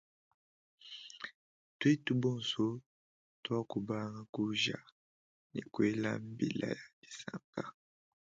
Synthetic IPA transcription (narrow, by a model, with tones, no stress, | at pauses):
twe˦tu˦bɔ˦˨so˦ | twa˦ku˨ba˦ŋa˦ku˦ʒa˨ | nḭ˨kwe˦la̰˦m˦bi˨la̰˦ja˨di̥˨sa˨ŋka˦